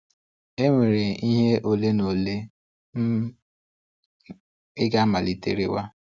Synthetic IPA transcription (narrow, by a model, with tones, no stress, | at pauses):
e˦ŋʷe˨ɾe˨i˦ɦe˦ʔo˨le˦no˨le˦ | ɪ˦ɡa˦ma˨li˨tḛ˨ɾḭ˦wa˦